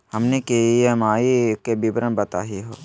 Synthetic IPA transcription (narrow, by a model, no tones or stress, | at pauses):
hɐmnekejemaːikebibɾənbɐt̪a̰ːɦiɦoː